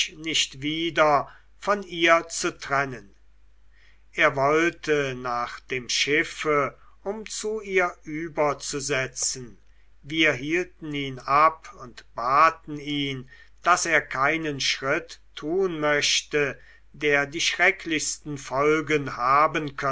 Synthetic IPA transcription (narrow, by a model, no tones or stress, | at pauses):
nɪʃtviːdɐ | fɔniːɐt͡sutʁ̥ɛnən | ʔeːɐvɔltʰənaːχd̥eːmʃɪfə | ʊmt͡suiːɐʔyːbɐt͡suzɛt͡sn̩ | viːɐɦiːltn̩iːnapʊntb̥aːtn̩iːn | d̥aseːɐkʰaɪnənʃʁɪtʰːuːnmœɕtə | deːɐdiːʃʁɛkʰlɪçst̪n̩fɔlɡənhaːbənkʰœ